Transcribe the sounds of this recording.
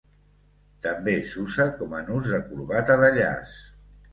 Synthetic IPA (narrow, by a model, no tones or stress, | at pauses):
t̪əmbesusəkɔmənuzðəkuɾβat̪əðəʎa̰s